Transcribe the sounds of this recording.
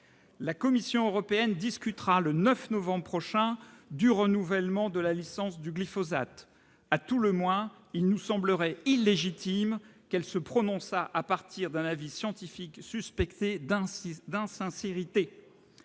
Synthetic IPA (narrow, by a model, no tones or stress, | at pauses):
lakɔmisjɔ̃øʁɔpeɛnd̪iskʲyt̪χalənœfnɔvɑ̃bʁpχɔʃɛ̃d̪yʁənuvɛlmɑ̃d̪əlalisɑ̃sd̪yɡlifɔzat̪ | at̪uləmwɛ̃ | ilnusɑ̃bləʁɛilːeʒit̪imkɛlsəpχɔnɔ̃saʔapaʁt̪ʰiʁd̪ɛ̃navisjɑ̃t̪ifiksyspɛkt̪ed̪̃d̪ɛ̃sɛ̃seʁit̪e